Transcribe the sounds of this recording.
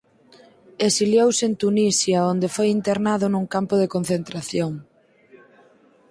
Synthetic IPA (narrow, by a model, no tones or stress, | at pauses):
esiljowsent̪unisjaond̪efojint̪eɾnaðʊnũŋkampʊðekonθent̪ɾaθjoŋ